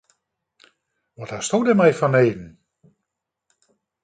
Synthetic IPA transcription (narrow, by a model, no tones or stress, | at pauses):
ʋɔtastowdəmɛjfɔneːdn̩